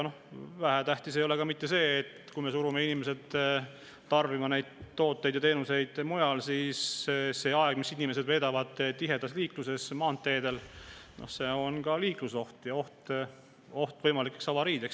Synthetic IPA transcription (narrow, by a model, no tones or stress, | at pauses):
no̞hvæɦæt̪æht̪ise̞jole̞kɑmit̪ːe̞se̞ːt̪kujme̞suɾume̞inime̞se̞d̪ː | ɑrvimɑne̞jd̪̥t̪ːo̞ːt̪ːˑejd̪jɑt̪eːnuse̞jd̪̥mujɑlsisːe̞ːɑeɡ̥misinime̞se̞d̪ve̞ːd̪ɑvɑd̪̥t̪iɦe̞d̪̥ɑsliːkluse̞smɑːnt̪ːe̞ːd̪e̞lno̞̰hse̞o̞nkɑliːkluso̞ht̪jɑo̞ht̪ | o̞ht̪vɤjmɑlikːˑeksɑvɑɾiːd̪eks